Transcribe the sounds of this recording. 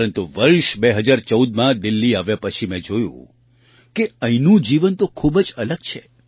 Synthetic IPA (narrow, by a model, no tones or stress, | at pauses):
ɾənt̪uʋəɭʃbeɦəd͡ʒaɾt͡ʃəud̪mãd̪ɪlːiaʋjapət͡ʃʰimɛ̃d͡ʒojṵ̃ | keəinũd͡ʒiʋənt̪okʰubd͡ʒələɡt͡ʃʰe